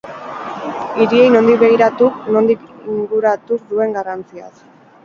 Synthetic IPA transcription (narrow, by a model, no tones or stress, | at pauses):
iɾie̞jno̞nd̪ikβe̞ɣ̞iɾat̪ukno̞nd̪ikiŋɡuɾat̪ud̪ue̞ŋɡarant͡sia̰s